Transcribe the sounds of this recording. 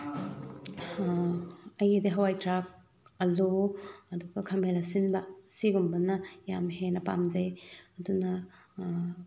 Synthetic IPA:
ɐjidiɦɐwajtɾap̚ | ɐluɐduɡɐkʰɐmelasinbɐsiɡumbɐnɐjamɦenɐpamzɐjɐdunɐ

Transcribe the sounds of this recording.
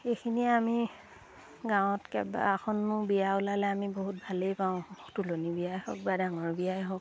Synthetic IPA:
exʰiniɛami | ɡaw̃ɔtkɛ̰ba̰axʰɔnmʊɹbiaʊlalɛamiboɦut̚bʱalejpãʊ̃tulonibiajhɔ̰k̚badaŋɔɹbijajɦɔk̚

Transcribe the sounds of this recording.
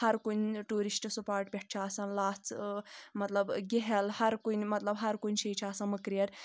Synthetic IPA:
hɐɾkunʈuːɾisʈsupaːɾʈ̚bʲeʈ̚ʰt͡ʃʰiaːsɐnlaːst͡smɐt̪lɐbɡeɦɐlhɐɾkunmɐt̪lɐbɦɐɾkunʲt͡ʃʰijt͡ʃʰaːsɐnmɐkɾijɐɾ

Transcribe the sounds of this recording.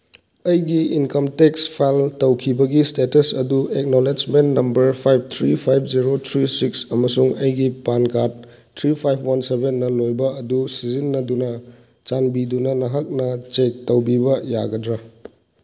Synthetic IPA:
ɐjɡiinkɐmtekspʰajltɐwkʰibɐɡistetɐsɐduek̚noled͡ʒmentnɐmbɐɾpʰajp̚ʰt̪ʰɾipʰajpʰziɾotʰɾisiksɐmɐsuŋɐjɡipankat̚ʰː | ɾipʰajpʰwɐnsebenːɐlojbɐːdusizinːɐdunɐ | t͡ʃanbidunɐnɐɦɐk̚nɐt͡ʃek̚tɐwbibɐja̰ɡɐdɾɐ

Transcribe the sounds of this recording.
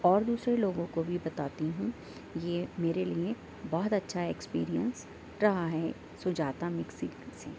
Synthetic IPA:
ɔːɾd̪uːsɾeloːɡõkobʱibɐt̪aːt̪iɦũ | jeːmeːɾelie | bɔːt̪ɐtːʃʰaeːkspḭːɾiə̰̃ns | ɾɐɦaɦɛ | sʊd͡ʒaːt̪amɪksiseː

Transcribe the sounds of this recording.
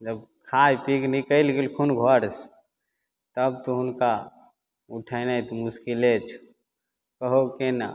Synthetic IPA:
d͡ʒəbkʰajpiknikəlɡelkʰunɡʱɔɾs | t̪əbt̪uɦunka | uʈʰənət̪muskilet͡ʃʰu̥ | kəɦokena̰

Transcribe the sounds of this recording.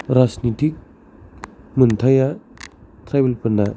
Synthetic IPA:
ɾasnitik̚ | munt̪ʰaja | tɾajbelpɐnda

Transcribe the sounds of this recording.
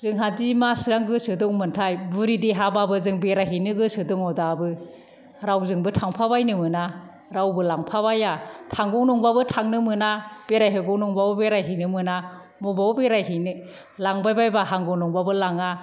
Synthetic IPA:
z̥ɯŋɦadimasɾaŋɡɯsɯdɔŋmɯntʰajbuɾidiɦababɯzɯŋbeɾajɦinɯɡɯsɯdɯŋɔdabɯ | ɾawzɯŋbɯtʰaŋpʰabajnɯmɯna | ɾawbɯlaŋpʰabajatʰaŋɡɔŋnɔŋbabɯtʰaŋnɯmɯnab̥eɾajɦɯɡɔŋnɔŋbabɯbeɾajɦinɯmɯna | mɔbabeɾajɦinɯ | laŋbajbajbaɦaŋɡɔŋnɔŋbabɯlaŋa

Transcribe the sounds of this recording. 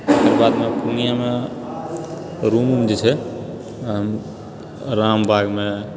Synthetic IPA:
ekəɾbaːd̪mẽpunijamẽ | ɾumumd͡ʒet͡ʃʰɛ | ɦəm | ɾaːmbʱaːɡmẽ

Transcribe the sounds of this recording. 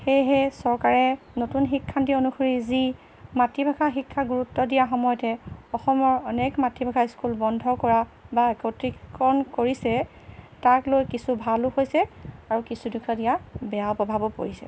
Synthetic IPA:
xejɦɛsɔɹkaɹɛ | notunxikʰːantionuxoɹizi | matibʱakʰaxikʰːaɡuɹutːɔdijaxɔmɔjɔtɛɔxɔmɔɹɔnɛkmatibʱakʰaskulbɔndʱɔkɔɹabaekɔtɹiɔnkoɹisɛ | taklojkisubʱalʊxojsɛaɹukisudukʰadijabɛjaɔpɔbʱabɔpo̰ɹisɛ̰

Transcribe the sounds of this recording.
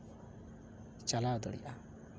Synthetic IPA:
t͡ʃalawd̪ɔ̰ɽḭʔa

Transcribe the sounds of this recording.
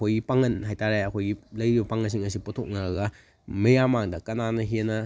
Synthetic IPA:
ojɡipaŋɐnɦajtaɾeɐkʰojɡilɐjɾibɐpaŋɐns̬iŋɐsipotʰok̚naɡɐ | mɐjamaŋdɐkɐnanɐɦinɐ

